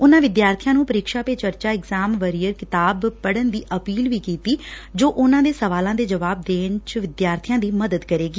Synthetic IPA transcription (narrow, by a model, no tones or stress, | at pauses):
ʊnãːʋɪd̪jaːɾt̪ʰijãːnũːpəɾiːkʃaːpeːt͡ʃəɾt͡ʃaːɪɡzaːmʋəɾiːəɾkɪt̪aːbpəɽənd̪iːʔəpiːlʋiːkiːt̪iːd͡ʒoːʔʊnãːd̪eːsəʋaːlãːd̪eːd͡ʒəʋaːb̚d̪eːnt͡ʃʋɪd̪jaːɾt̪ʰijãːd̪iːməd̪əd̪kəɾeːɡiː